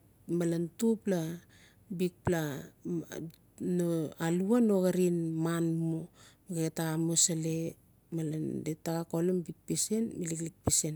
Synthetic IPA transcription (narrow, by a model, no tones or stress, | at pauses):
malantupla | bik̚pla | noaluanoɡaɾinmanmomiɡetaamosale | malandetaɡakolumbik̚pisenmiliklik̚pisen